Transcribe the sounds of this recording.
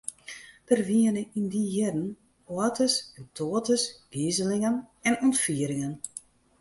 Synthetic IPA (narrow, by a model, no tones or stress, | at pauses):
d̥ərʋiənəindijɪdn | oətəsɛntʰoːətəsɡ̥izəlɪŋənɛnɔntfiəɾɪŋən